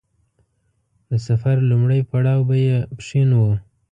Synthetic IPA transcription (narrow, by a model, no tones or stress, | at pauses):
d̪əsafaɾlumɽəjpaɽɑwbajepʂinwə